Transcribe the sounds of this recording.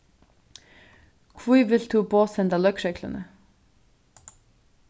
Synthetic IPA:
kʰvuːʋɪlt̪ʰuːboːsɛnd̪ɑlœkʃɛkʰlə̰nə

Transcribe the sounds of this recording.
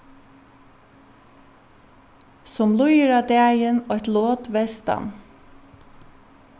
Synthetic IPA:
sɔmlʊjəɹɑːd̪eːjənoːɛt̪loːt̪ʋeːst̪ɑ̰m

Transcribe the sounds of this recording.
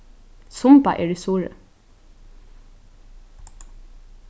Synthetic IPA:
sʊmbɑ̰ʔḛːɖiːst̪uːɹə̰

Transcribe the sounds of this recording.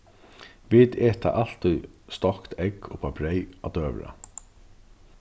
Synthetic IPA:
vɪːt̪ɛːt̪ʰa̰ʔal̥t̪ʊjst̪ɔkt̪ʰɛkɔpʰabɾɛjat̪øːʋɾa̰

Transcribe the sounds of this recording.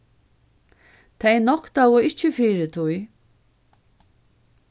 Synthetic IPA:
t̪ʰejnɔhkt̪awʊɪht͡ʃːɪfiːɾɪt̪ʰuj

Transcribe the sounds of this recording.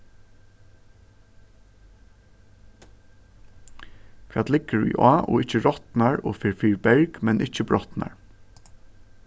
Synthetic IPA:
fiːat̪lɪɡəɹḭːʔaːʔɔ̰ːɪt͡ʃəɹɔt̪naɹo̰ːfɪɹfiːɹbɛɹɡmɛnʔɪt͡ʃəbɹɔt̪na̰ɹ

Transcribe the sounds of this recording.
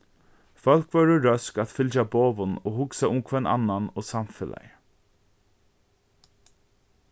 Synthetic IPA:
fœl̥kvœɹəɾœskat̪fɪlt͡ʃaboːʋʊnoːɦʊksaʊmkʰvɛna̰nːanɔːsamfɪla̰jə

